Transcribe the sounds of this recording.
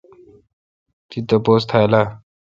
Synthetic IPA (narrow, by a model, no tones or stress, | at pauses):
t̪it̪opoːst̪ʰaːelaː